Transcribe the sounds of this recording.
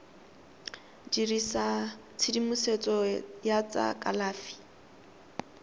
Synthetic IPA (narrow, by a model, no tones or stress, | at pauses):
d͡ʒirisa | t͡sʰidimuset͡sʼɔjat͡sʼa̰kʼa̰laːfi̥